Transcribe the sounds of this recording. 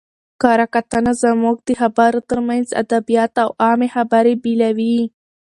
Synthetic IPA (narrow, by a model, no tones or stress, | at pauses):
kɑɾakat̪anazamuɡ̚d̪əxabaɾot̪əɾmanza̰d̪abijɑt̪awɑmexabaɾebilawi